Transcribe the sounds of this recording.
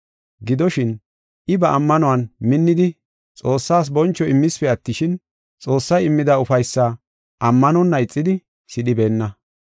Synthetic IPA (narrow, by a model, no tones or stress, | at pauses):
ɡɪd̪ɔʃɪn | ʔɪbɐʔɐmːɐnʊwɐnmɪnːɪd̪ɪ | t͡sʼo̞ːsːaːs̬bɔnt͡ʃːɔɪmːɪspɛɐt̪ːɪʃɪn | t͡sʼo̞ːsːɐjɪmːɪd̪ɐʊfɐjsːa | ʔɐmːɐnɔnːɐɪt͡sʼːɪd̪ɪ | sɪɗɪbe̞ːnːɐ